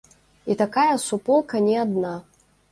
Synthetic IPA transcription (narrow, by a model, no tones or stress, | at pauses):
it̪akajɐsupɔlˠkɐnʲɛad̪na